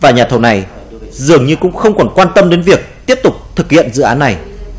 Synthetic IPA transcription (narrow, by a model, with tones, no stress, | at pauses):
vaː˨˩ɲaː˨˩t̪ʰə˧˩wna˨˩j | zɨ˨˩əŋɲɨ˧kʊ̰˧˥ŋ͡mxə˧wŋ͡mkɔ˧˩nkwaː˧nt̪ə˧mɗe˨˦nvi˨˩ək̚t̪i˦˥əp̚t̪ʊ˨˩k͡p̚t̪ʰɨ˨˩k̚hḭ˧˨ənzɨ̰˧˨ʔaː˨˦nːa˨˩j